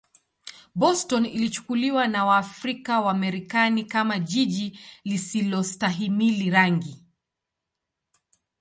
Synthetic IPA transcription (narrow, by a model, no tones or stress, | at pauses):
bɔstɔnilit͡ʃu̥kuliwanawaːfɾikawamɛɾikanikamaʄiʄilisilɔstaɦimiliɾaŋɡi